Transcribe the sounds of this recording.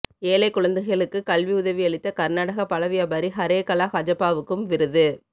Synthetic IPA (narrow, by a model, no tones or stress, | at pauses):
eːlɐɪkːʊɭɐnd̪ɐɣɪɐɭɯkːɯkɐlʋiʊðɐʋiɐɭɪt̪ːɐkɐɾnaːɽɐɣɐpɐɭɐʋɪjɐbɐɾiɦɐɾeːkɐlaːɣɐd͡ʒɐpːaːʋɯkːɯmʋɪɾɯðɯ